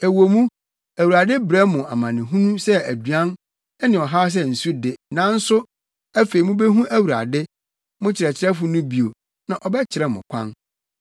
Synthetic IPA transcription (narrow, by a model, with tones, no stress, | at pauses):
e˨wo˨mũ˦ | æ˨wu˨ɾa˨dɪ˦bɾɛ˦mʊ̃˨a˨mã˨nɪ̃˨ɦũ˦nũ˦sɛ˦æ˨dɥã˦n | ɛ˦nɪ̃˨ɔ˨ɦa˦s̬ɛ˦n̩˨su˦dɪ˨nã˨˦n̩˦sʊ˦ | æ˦fe˨i˨mʊ̃˦be˦ɦũ˦ʔæ˦wu˨ɾa̰˨dɪ˦ | mʊ̃˦t͡ɕʰɪ˨ɾɛ˨t͡ɕʰɪ˦ɾɛ˦fʊ˦nʊ̃˦bi˨o˨ | nã˨ʔɔ˨bɛ˦t͡ɕʰɪ˨ɾɛ˦mʊ̰̃˨kʷʰã̰˦n